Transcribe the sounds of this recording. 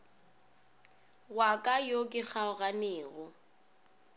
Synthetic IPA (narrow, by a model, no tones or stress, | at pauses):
wakʼajokʼɪk͡xʰaʊɣanɪːɣʊ